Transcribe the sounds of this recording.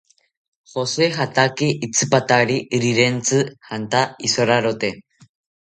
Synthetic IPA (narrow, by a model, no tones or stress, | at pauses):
xosexat̪akiʔːt͡sɨpat̪aɾiʔɾiɾent͡sɨhant̪aisoɾaɾot̪e